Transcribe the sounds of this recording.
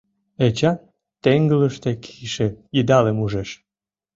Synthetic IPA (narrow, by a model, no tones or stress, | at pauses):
et͡ɕɑ | t̪eŋɡələʃt̪ekʰiʃeid̪ɑlemuʒeʃ